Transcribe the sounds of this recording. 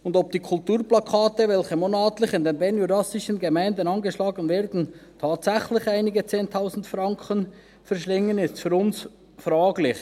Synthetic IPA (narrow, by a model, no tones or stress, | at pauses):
ʊndɔp̚d̥iːkʰʊltuːɾplɑkʰɑːtəvɛlçəmonɑːtlɪçɪndeːnbɛnjudɑsɪʃənɡemæɪndənɑnɡəʃlɑːɡənvɛːɾdn̩tʰɑːtsɛxlɪçaɪnɪɡət͡seːntʰaʊzn̩tfrɑŋkʰən | fɛɾʃlɪŋːənɪstfyːɾʊns | frɑːɡlɪç